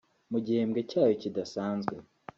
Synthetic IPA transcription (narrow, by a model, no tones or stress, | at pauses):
muɟihemɡe̞caːjocidasaːnzɡwe̞